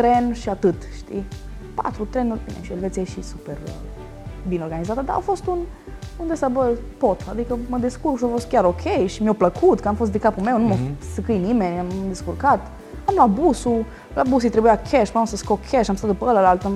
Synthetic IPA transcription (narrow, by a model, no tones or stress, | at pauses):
t̪ɾenʃiat̪ɨt̪ʃt̪ḭ | pa̰t̪ɾut̪ɾenulbḭnḛʃielvesjeʃisuperə | bineo̞ɾɡanizat̪əd̪a̰a̰fo̞st̪un | und̪esabərpot̪ʰad̪ikəməd̪iskurksafost̪̚kʲaɾokʲʰejʃimiopləkʰut̪kəamfost̪d̪ekapumewnumosəkɨjnime̞nʲamd̪eskurkat̪ | amlabusu | labus̬uit̪ɾebujakʰʲeʃpunosəskokʲʰeʃamst̪at̪d̪upəələlalt̪ə